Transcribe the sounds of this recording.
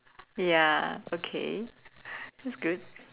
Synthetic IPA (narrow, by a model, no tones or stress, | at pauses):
jæoʊkʰḛɪ | ɪtsɡ̥ʊd̥̚